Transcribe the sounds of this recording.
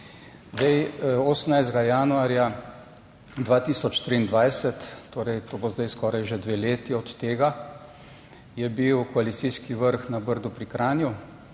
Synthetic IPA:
zd̪ɛjɔsnajzd̪ɡajaːnuaːɾja | d̪ʋaːt̪iːsɔt͡ʃt̪ɾiːnd̪ʋajsɛt̪ːoːɾɛjt̪oːbozd̪ajskɔːɾajʒed̪ʋeːleːt̪iɔt̪ːeːɡa | jɛbiwkɔalit̪siːskiʋəɾxnabəɾd̪upɾikɾaːnju

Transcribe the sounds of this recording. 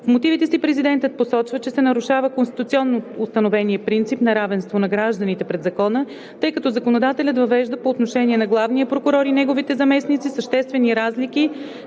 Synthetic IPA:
fmot̪ivit̪ɛsipɾɛzid̪ɛnt̪ət̪̚posɔt͡ʃvət͡ʃɛsɛnɐɾuʃavəkonst̪it̪ut̪siɔnːoʊst̪ɐnovɛniəpɾint̪sipnɐɾavɛnst̪vonɐɡɾaʒd̪ənit̪ɛpɾɛd̪zɐkɔnə | t̪ɤjkɐt̪ɔzɐkonod̪at̪ɛlʲət̪vɐvɛʒd̪əpoːt̪noʃɛniɛnɐɡlˠavniəpɾokʊɾɔɾinɛɡovit̪ɛzɐmɛsnit̪sisəʃt̪ɛst̪vɛniɾazlik̟i

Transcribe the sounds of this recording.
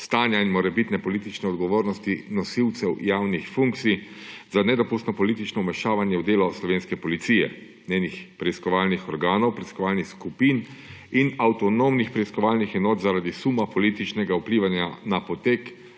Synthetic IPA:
st̪aːnjainmɔɾɛbit̪nɛpɔliːt̪it͡ʃnɛɔd̪ɡɔʋoːɾnɔst̪inɔsiwt̪sɛwjaːwnixfuŋktsij | zanɛd̪ɔpust̪nɔpɔlit̪it͡ʃnɔmɛʃaːʋanjɛwd̪eːlɔslɔʋeːnskɛpɔlit̪siːjɛ̰ | nʲeːnixpɾɛiskɔʋaːlnixɔɾɡaːnɔwpɾɛiskɔʋaːlnixskupiːn | inawt̪ɔnomnixpɾɛiskɔʋaːlnixɛnɔːt̪zaɾad̪isuːmapɔlit̪it͡ʃnɛɡaupliːʋanjanapɔt̪eːk

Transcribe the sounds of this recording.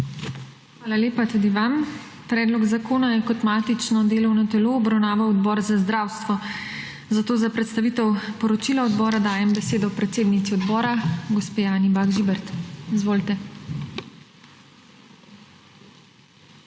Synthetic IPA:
xʋaːlaleːpat̪ud̪iʋam | pɾɛːd̪lɔɡzakoːnajɛkɔt̪maːt̪it͡ʃnɔd̪eːlɔwnɔt̪ɛloːbɾawnaːʋawɔd̪bɔːɾzazd̪ɾaːwst̪ʋɔ | zat̪oːzapɾɛt̪st̪aʋiːt̪ɛwpɔɾɔt͡ʃilaɔd̪bɔːɾad̪aːjɛmbɛseːd̪ɔwpɾɛt̪seːd̪nit̪siɔd̪bɔːɾaɡɔspeːjaːnibaɡʒibɛɾt̪izʋoːlt̪ɛ

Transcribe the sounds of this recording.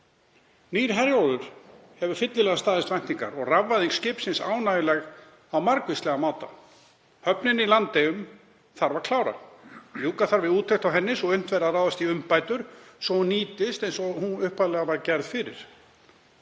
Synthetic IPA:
niːɾ̥ɦɛɾjaːðʏɾ̥hɛvʏfɪt̪lɪlɛɣast̪aːðɪst̪vɛjnt̪iŋka̰ɾɔɣravːaðiŋkscɪːpsɪnsa̰ːwnajɪlɛɣ | awmaɾkvɪst̪lɛɣamaːwt̪a̰ | hœpnɪnilant̪ɪʏm | θaɾvaɾ̥kʰlaːwɾa̰ljuːkaθaɾvɪðuːt̪ʰːɛjht̪awɦɛnːɪsɔɣʏn̥t̪vɛɾaraːwðast̪iʏmpaːjt̪ʏɾ̥sɔhuniːt̪ɪst̪ɛnsɔhunʏhpaðlɛːɣavaɾcɛɾð̥fɪɾɪ̰ɾ̥

